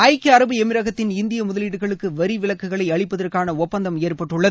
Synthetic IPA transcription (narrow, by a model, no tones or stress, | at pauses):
ɐɪkːɐɾɐbɯɛmɪɾɐɣɐt̪ːɪnɪnd̪ɪjɐmʊðɐliːɽɯɣɐɭɯkːɯʋɐɾiʋɪlɐkːɯɣɐɭɐɪɐɭɪpːɐðɐrkaːnɐɔpːɐnd̪ɐmɪjɛrpɐʈːɯɭːɐðɯ